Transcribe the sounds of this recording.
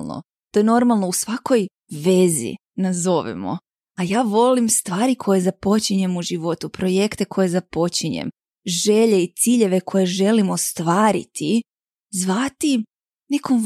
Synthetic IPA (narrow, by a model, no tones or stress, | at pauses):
no̰ | t̪ojeno̞ɾmalˠno̞usʋako̞j | ʋe̞zḭ | nazo̞ʋḭmo̰ | ajaːʋo̞limst̪ʋaːɾikʰo̞je̞zapo̞t͡ɕiɲe̞muʒiʋo̞t̪upɾo̞je̞kt̪e̞kʰo̞je̞zapo̞t͡ɕiɲḛm | ʒeʎe̞it̪siːʎe̞ʋe̞kʰo̞jeʒe̞limost̪ʋaːɾḭt̪ʰi | zʋat̪i | ne̞kom